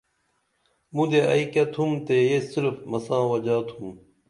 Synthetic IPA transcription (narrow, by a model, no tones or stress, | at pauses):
mũd̪eɐ̰ikɐt̪ʰumt̪ejesiɾfmɐsãːwɐd͡ʑaːt̪ʰum